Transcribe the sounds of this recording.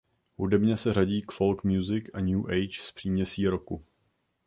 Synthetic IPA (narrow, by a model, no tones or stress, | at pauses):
hudɛbɲɛsɛraɟiːkfo̞lkmjuzɪkʔaɲuːʔɛjt͡ʃspr̥iːmɲɛsiːɾoku